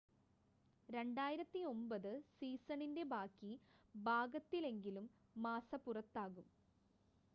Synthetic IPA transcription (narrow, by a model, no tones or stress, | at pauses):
ɾe̞ɳɖaːjiɾɐt̪ːio̞mbɐðɨsiːsɐɳinde̞bʱaːkːibʱaːɡɐt̪ːile̞ŋɡilumː | aːsɐpurɐt̪ːaːɣum